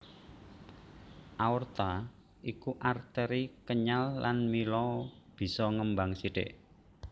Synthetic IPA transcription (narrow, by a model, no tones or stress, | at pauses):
ʔaurt̪a | ʔikuʔart̪əɾikəɲalːanmilɔb̥i̤sɔŋəmbaŋsiɖ̥ḛʔ